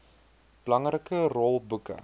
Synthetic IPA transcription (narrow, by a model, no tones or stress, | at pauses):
b̥əlɐŋrəkərɔlˠbukə̰